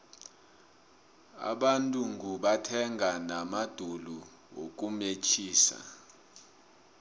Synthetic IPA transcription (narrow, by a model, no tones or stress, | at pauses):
a̰ɓantʼuŋuɓatʰɛŋʱanamad̥ʱulu | wo̰k̬ʼumet͡ʃʰiːsa̰